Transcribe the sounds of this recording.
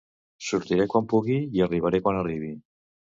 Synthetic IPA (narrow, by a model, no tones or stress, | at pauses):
suɾt̪iɾekwampuɣijariβaɾekoanariβi